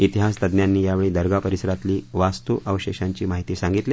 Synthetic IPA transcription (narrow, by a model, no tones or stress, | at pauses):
it̪iɦast̪əd̪njanːiːjaʋeɭiːd̪əɾɡapəɾisəɾat̪liːʋast̪uʋʔəʋəɕeɕaɲt͡ɕiːmaɦit̪iːsãŋɡit̪leː